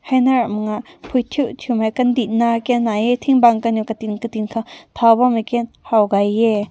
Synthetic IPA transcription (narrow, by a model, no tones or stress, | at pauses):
hajnaɾamŋaʔpʰujt̪ʰuʔtʰumakɐnd̪iʔnakɛnːajɛt̪ʰiŋbaŋkanukat̪inkat̪inkʰat̪ʰabamakɛn | hawɡajːɛ